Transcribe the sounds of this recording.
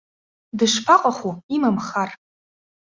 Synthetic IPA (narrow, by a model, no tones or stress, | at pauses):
dɨʂpʰaqʼaχuimamχar